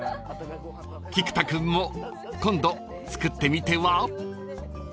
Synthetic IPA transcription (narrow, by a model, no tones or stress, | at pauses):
kʲikɯ̟̥t̪akɯ̟̃mːo | kõ̞nd̪o | t͡sɨ̥kɯ̟t̪ːe̞mʲit̪eβa